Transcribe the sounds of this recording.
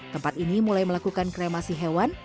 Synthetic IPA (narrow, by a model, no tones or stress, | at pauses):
t̪əmpat̪inimulajməlakukankɾemasiɦewan